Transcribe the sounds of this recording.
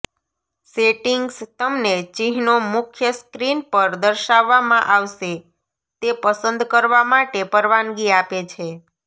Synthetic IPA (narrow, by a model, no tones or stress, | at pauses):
seʈiŋɡst̪əmnet͡ʃiɦnomʊkʰjəskɾinpəɾd̪əɾʃaʋːamãʔaʋʃe | t̪epəsənd̪kəɾʋamaʈepəɾʋanɡiapet͡ʃʰe